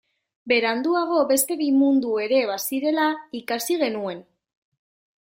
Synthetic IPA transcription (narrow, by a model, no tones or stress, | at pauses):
be̞ɾand̪uaɣ̞o̞be̞st̪e̞βimund̪ue̞ɾe̞βasiɾe̞laikasiɣ̞e̞nue̞n